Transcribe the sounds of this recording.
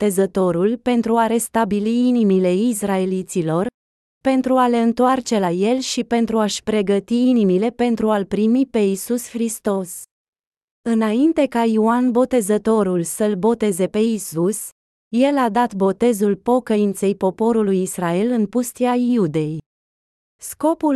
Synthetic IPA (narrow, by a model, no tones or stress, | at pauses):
e̞zət̪o̞ɾulpe̞nt̪ɾuaɾe̞st̪abiliinimile̞israe̞lit̪silo̞r | pe̞nt̪ɾuale̞ɨnt̪oart͡ʃe̞laje̞lʃipe̞nt̪ɾuaʃpɾe̞ɡət̪iinimile̞pe̞nt̪ɾualpɾimipe̞isusxɾist̪o̞s | ɨnaint̪e̞kaioanbo̞t̪e̞zət̪o̞ɾulsəlbo̞t̪e̞ze̞pe̞isus | je̞lad̪at̪bo̞t̪e̞zulpo̞kəint̪se̞jpo̞po̞ɾulujisrae̞lɨnpust̪iaiud̪e̞j | sko̞pul